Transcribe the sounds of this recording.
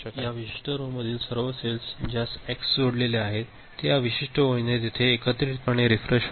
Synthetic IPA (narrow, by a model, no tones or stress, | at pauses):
jjaʋiɕi̥ʂʈʰəɾoməd̪ʱiːlsəɾʋəselsd͡ʑjaseksd͡ʑoɽleleaɦet̪ː | jaʋiɕiʂʈʰəʋojnet̪it̪ʰeːkət̪ɾit̪pəɳ̃eɾifɾeɕ